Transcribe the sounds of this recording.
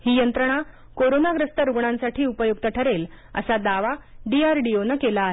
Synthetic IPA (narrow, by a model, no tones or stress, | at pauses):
hiːjənt̪ɾəɽ̃a | koɾonaɡɾəst̪əɾuɡɳ̃ãnsaʈʰiːupəjuɡt̪əʈʰəɾel | ə̰sad̪aʋaɖiaɾɖionəkelaːɦe